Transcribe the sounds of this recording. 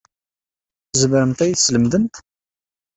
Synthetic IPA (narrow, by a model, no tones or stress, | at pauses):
zməɾəmt̪æjθsləmðənt̪